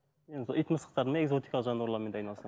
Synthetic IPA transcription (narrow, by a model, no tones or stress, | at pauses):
ensoijt̪məsə̥qt̪ɑɾd̪əmeezot̪ikɑlˠəqʒɑnwuɾlˠɑɾment̪ɑjnɑlˠsɑ